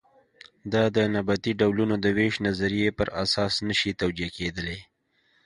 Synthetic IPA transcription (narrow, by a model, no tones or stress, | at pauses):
d̪ɑd̪ənabat̪iɖawlunod̪əweʃnazaɾijepəɾasɑsnəʃit̪awd͡ʒieked̪əle